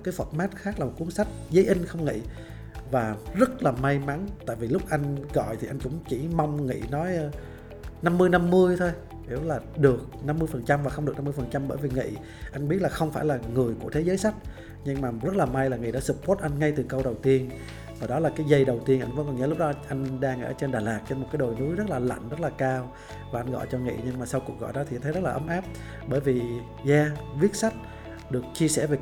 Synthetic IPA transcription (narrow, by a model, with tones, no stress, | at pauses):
kaː˨˦jfə˨˩t̚maː˦˥t̚xaː˦˥k̚laː˨˩mo˨˩t̚ku˨˦ənsa˦˥jk̚zə˨˦jʔi˧ŋ̟xə˧wŋ͡mŋḭ˧˨ | vaː˨˩zə˦˥t̚laː˨˩ma˧jma˨˦nt̪a̰ː˧˨jvi˨˩lʊ˦˥k͡p̚ʔa˧jŋ̟ɣɔ̰˧˨jt̪ʰi˨˩ʔa˧jŋ̟kʊ̰˧˥ŋ͡mt͡ɕi˧˩ma˧wŋ͡mŋḭ˧˨nɔ˨˦jʔ | na˧mːɨ˧əjna˧mːɨ˧əjt̪ʰo˧j | hi˧˩wlaː˨˩ɗɨ˨˩ək̚na˧mːɨ˧jfə˨˩nt͡ɕa˧mvaː˨˩xwŋ͡mɗɨ˨˩k̚na˧m˧əjfə˨˩nt͡ɕa˧mɓəː˧˩jvi˨˩ŋḭ˧˨ | ʔa˧jŋ̟ɓi˦˥t̚laː˨˩xə˧wŋ͡mfaː˧˩jlaː˨˩ŋɨ˨˩əjku˧˩ət̪ʰe˨˦zəː˨˦jsa˦˥jk̟̚ | ɲɨ˧ŋmaː˨˩zə˦˥t̚laː˨˩ma˧jlaː˨˩ŋɨ˨˩jɗɔ̰˧˦sɨ˨˩p̚ko˦˥t̚ʔa˧jŋ̟ŋa˧jt̪ɨ˨˩kə˧wɗə˨˩wt̪i˧ən | vaː˨˩ɗɔ˨˦laː˨˩kaː˨˦jzə˧jɗə˨˩wt̪i˧ənʔa̰˧ŋ̟və̰˧˥nkɔ˨˩nɲəː˨˧˦lk͡p̚ɗɔ˨˦ʔa˧jŋ̟ɗaː˧ŋʔəː˧˩t͡ɕe˧nɗaː˨˩laː˨˩k̚t͡ɕe˧nmo˨˩t̚kːaː˨˦jɗo˨˩nu˨˦jzt̚laː˨˩la̰˧˨jŋ̟zə˦˥t̚laː˨˩kaː˧w | vaː˨˩ʔa˧jn̟ɣɔ̰˧˨jt͡ɕɔ˧ŋḭ˧˨ɲɨ˧ŋmaː˨˩sa˧wku˨˩k̚ɣɔ̰˧˨jɗɔ˨˦t̪i˨˧t̪ʰə˦zə˦˥laː˨˩ʔə˨˦mʔaː˦˥p̚ | ɓəː˧˩jvi˨˩ | zaː˧vi˦˥ət̚sa˦˥jk̚ | ɗɨ˨˩ək̚t͡ɕi˧əsɛ̰˧˩ve˨˩